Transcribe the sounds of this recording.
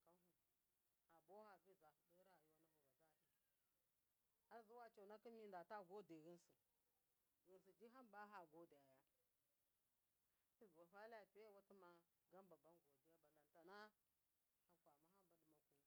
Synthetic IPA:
ka˦ɦu˨ | a˨bo˦ha˨bi˦za˨hdi˦ɾa˨ju˦wa˦na˦hu˨wa˨da˦˨di˦ | a˦zu˦wa˦t͡ʃa˨na˦ki˦mi˦nda˨ta˦ɡo˦de˨ɣi˦nsu˨ | ɣi˨nsi˨d͡ʒi˦ɦa˦mba˦ɦa˨ɡo˦di˨ja˨ja˦ | i˦˨ɡo˨fa˦la˦ja˨pe˦wa˦ti˦ma˨ | ɡa˦mba˨ba˦nɡo˨di˨ja˦ba˨la˨nta˨na˦ | ha˨kʷa˨ma˦ɦa˦mba˦di˨ma˨ku˨

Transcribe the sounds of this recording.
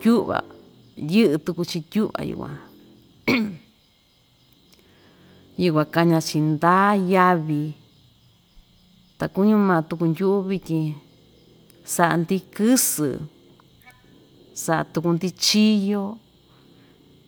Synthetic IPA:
tu˦ʔβa̰˨ | jɨ˦ʔɨ˧t̪u˧ku˧t͡ʃi˧t̪ʲu˦ʔβa̰˧jṵ˧˨kʷã̰˧ | ju˧kʷã˧ka˧ɲã˧t͡ʃi˧nd̪aː˦ja˧βi˧ | t̪a˨ku˦ɲũ˦mãː˧t̪u˧ku˧nd̪ʲu˦ʔu˦βi˧tʲĩ˧ | sa˧ʔa̰˧nd̪i˦kɨ˦sɨ̰˨ | sa˧ʔa̰˧t̪u˧ku˧nd̪i˦˧t͡ʃi˦jo˦

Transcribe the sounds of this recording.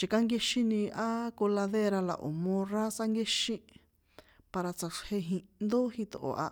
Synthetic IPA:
t͡ʃi˨ka˦ŋɡe˧ʃĩ˦nĩ˧a˦ko˧la˧ðe˦ɾa˧la̰˨ʔo̰˨mõ˧ra˦sa˦ŋɡe˦ʃĩ˦ | pa˧ɾa˧t͡sa˧ʂhe˧ɦĩ˧nd̪o˦hĩ˧t̪o˨ʔo̰˨ʔa̰˧

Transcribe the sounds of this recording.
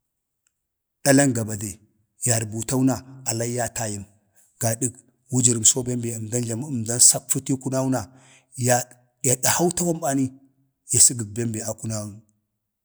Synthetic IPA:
ɗ̥a˦la˦ŋɡa˨ba˨de˨ | ja˨ɾbu˨ta˦wna˨a˨la˦ja˦ta˨ji˨m | ɡ̥a˨ɗi˦k | wu˦d͡ʒi˨ɾi˨mso˦be˦mbe˨ə˨mda˦nɮa˨m˦ə˨mda˦nsa˦kfu˦ti˦ku˦na˦u˦na˨ | j | ja˨ɗa˨ha˦wta˦wa˦mba˨ni˦ | ja˨si˦ɡə˨b̚be˦mbe˨a˨ku˦na˦wu˦

